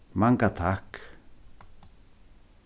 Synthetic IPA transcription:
maŋkat̪ʰak

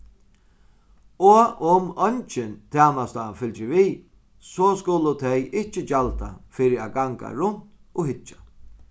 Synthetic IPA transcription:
ɔʊmɔnt͡ʃɪnt̪ʰaːnast̪afɪlt͡ʃɪviː | sɔskʊlʊt̪ʰɛjɪht͡ʃɪt͡ʃalt̪a̰fiːɾɪaɡaŋka̰ɾʊn̥t̪ɔɦɪt͡ʃːḁ

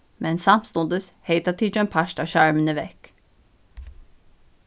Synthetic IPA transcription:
mʔɛnsɑmst̪ʊnd̪əsheɪt̪ɑt̪ʰid͡ʒənpʰɑʃtɑːʃɑɹmənəʋɛk

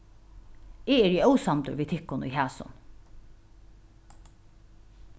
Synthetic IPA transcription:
ɪːɛɹjɛœwsamt̪ʊ̰ɹʋiːt̪ʰɪhkːʊnʊ̰jɦæːsʊ̰n

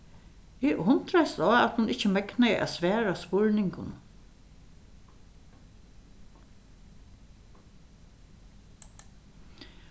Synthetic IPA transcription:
ɪʔhʊnt̪ɾajst̪ɔːat̪hʊnɪht͡ʃːəmɛknajʔa̰sʋɛːɾaspʊɻnɪŋkʊ̰n

